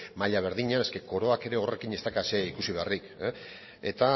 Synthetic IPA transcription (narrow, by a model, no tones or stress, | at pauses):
maʎaβ̞e̞ɾðiɲane̞ske̞ko̞ɾo̞ake̞ɾe̞o̞re̞kine̞st̪akase̞ikusiβe̞arik | ḛt̪a